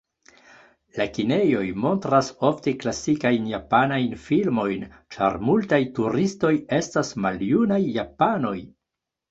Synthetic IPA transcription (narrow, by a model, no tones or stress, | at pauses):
lakine̞jo̞jmo̞ntɾaso̞fteklasikajnjapanajnfilmo̞jn | t͡ʃa̰ɾmultajtuɾisto̞je̞stasmaljunajːapano̞j